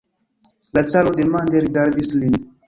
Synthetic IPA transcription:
lat͡salodemandeɾiɡaɾdislin

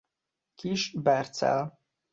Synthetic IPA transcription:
kiʃbɛrt̪sɛ̰l

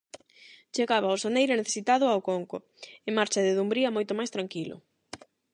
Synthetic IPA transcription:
t͡ʃeɣaβaʊsonejɾʊneθesit̪aðʊawkoŋko̰ | emaɾt͡ʃɐðeðumbɾiɐmojt̪ʊmajst̪ɾaŋkilʊ̰

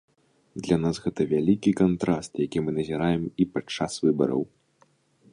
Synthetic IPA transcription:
d̪lʲanasɣɛt̪ɐvʲalʲikʲikant̪ɾast̪jakʲimɨnɐzʲiɾajɛmipat͡ʂːasvɨbɐ̰ɾɐ̰w

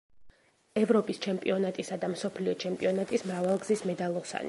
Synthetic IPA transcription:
ɛvɾɔpʼist͡ʃʰɛmpʼiɔnat̪ʼisad̪amsɔpʰliɔt͡ʃʰɛmpʼiɔnat̪ʼismɾavalˠɡzismɛd̪alˠɔsa̰ni

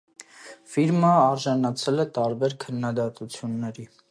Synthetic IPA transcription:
fiɾməɑɾʒɑnɑt͡sʰɛlɛt̪ɑɾbɛɾkʰənːɑd̪ɑt̪ut͡sʰjunːɛɾi

